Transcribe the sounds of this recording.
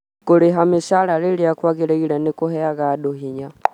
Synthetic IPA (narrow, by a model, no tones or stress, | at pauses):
kuliɦamiʃalaliliakwaɣilɛɣilanikuɦɛaɣaɗuɦiɲa